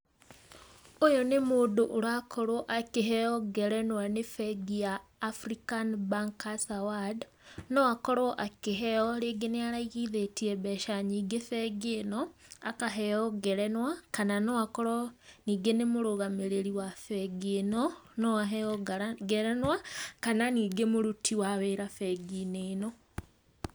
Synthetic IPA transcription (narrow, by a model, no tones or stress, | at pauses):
ojonemoːdoʔoɾakʰɔɾwɔʔakeɦɛɔɡɛɾɛnwanefɛɡijaːfɾikanbaŋkasawad | nɔakɔɾwɔʔakeɦɛɔɾeɡeneaɾaiɣiðetiɛβɛʃaɲiːɡefɛɡenɔakaɦɛjɔɡɛɾɛnwakananɔakɔɾɔniːɡenemoɾoɣameɾeɾiwafɛɡeːnɔnɔaɦɛɔɡɡɛɾɛnwakananiːɡemoɾutʰiwaweɾafɛɡineːnɔ